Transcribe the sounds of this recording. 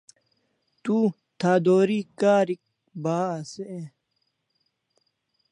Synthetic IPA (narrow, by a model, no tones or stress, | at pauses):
t̪uː | t̪ʰaːd̪oːɾiːkaːɾik̚ | baːsee